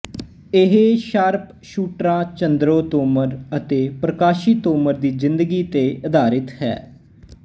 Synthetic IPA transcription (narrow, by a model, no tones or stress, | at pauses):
ɪɦʃaɾp | ʃuːʈɾãːt͡ʃənd̪ɾoːt̪oːməɾət̪eːpɾəkaːʃiːt̪oːməɾd̪iːzɪnd̪əɡiːt̪eːəd̪aːɾɪt̪ɦɛ̰ː